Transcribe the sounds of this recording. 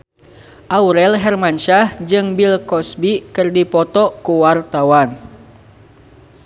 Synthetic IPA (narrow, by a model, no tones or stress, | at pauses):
ʔauɾɛlɦɛrmanʃahd͡ʒɨŋbilkɔsbikɨrdipɔt̪ɔkuwart̪awan